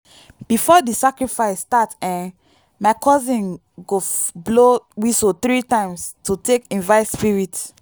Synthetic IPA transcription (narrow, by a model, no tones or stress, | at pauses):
b̥ifɔdisakɹifaɪsːtatɛ̃n | maɪkʰɔzĩn | ɡoblowisot̪ɹitãɪ̃mstutʰekĩnvaɪspiɹit